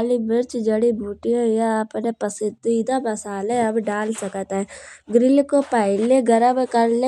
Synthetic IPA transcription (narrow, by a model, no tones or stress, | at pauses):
libɪɾt͡ʃd͡ʒɐɽibʱuːʈijõjaːpnepəsɪd̪iɪd̪ãmɐsaːleɐbɖaːlsɐkt̪ɦɛɡɾɪlkopɛɪleɡɐɾəbkɐɾle